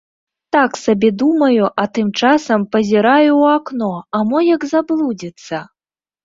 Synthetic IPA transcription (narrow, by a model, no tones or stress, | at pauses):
t̪aksabʲɛd̪umɐjuʔɐt̪ɨmt͡ʂasɐmpɐzʲiɾajuwaknɔamɔjɐɡzablˠud͡zʲit̪sːɐ